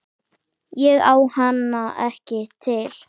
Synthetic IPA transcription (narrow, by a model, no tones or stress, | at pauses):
jɛɣaːwhanːaʔɛhcɪt̪ʰɪl̥